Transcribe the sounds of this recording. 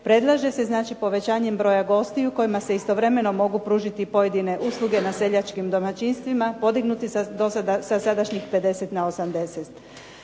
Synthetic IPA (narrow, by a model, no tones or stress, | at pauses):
pɾe̞d̪lˠaʒe̞se̞znaːt͡ʃipo̞ʋe̞t͡ɕaːɲe̞mbɾo̞ːjaɡo̞st̪iuko̞jimase̞ist̪o̞ʋɾe̞me̞no̞mo̞ɡupɾuːʒit̪ipo̞je̞d̪ine̞ʔuːslˠuɡe̞nase̞ʎat͡ʃkimd̪o̞mat͡ɕinst̪ʋimapo̞d̪iɡnut̪isd̪osad̪asasad̪aʃɲixpe̞d̪e̞set̪nao̞samd̪e̞set̪